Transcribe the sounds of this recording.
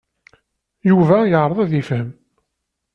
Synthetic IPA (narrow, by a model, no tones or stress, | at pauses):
juvæjəʕɾˤəðˤæðifhəm